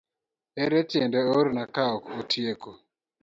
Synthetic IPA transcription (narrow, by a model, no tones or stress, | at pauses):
ɛɾɛt͡ʃjendeoɾnakaɔkotʰjeko